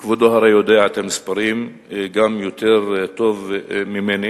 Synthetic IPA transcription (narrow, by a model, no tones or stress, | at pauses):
kvod̪oɦaɾajod̪eaat̪emispaɾim | ɡamjot̪eʁt̪ovmimeni